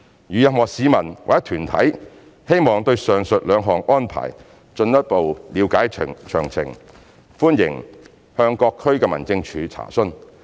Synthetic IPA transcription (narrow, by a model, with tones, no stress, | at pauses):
jyː˨jɐ˨m̚mɔː˨˩ksiː˨˧mɐ˨˩nwa̰ː˨˩jɐ˥t̪ʰyː˨˩nt̪ʰɐ̰˨˥j | he˥jmɔː˨˩ŋt̪ɵ˧ɥsœː˨˩ŋsɵ˨t̚lœː˨˧ŋɦɔː˨˩ŋɔː˥npʰa̰ː˨˩j | t͡ʃɵ˧njɐ˥t̚po˨wliː˨˧˥wkaː˨˥jʰt͡ʃʰœ̰ː˨˩ŋt͡sʰɪ̰˨˩ŋ | fuː˥njɪ̰˨˩ŋ | hœː˧ŋkɔː˧kʰːɵ˥ɥkɛː˧mɐ˨˩nt͡sɪ˧ŋt͡ʃʰyː˨˧˥t͡sʰa̰ː˨˩sɵ˥n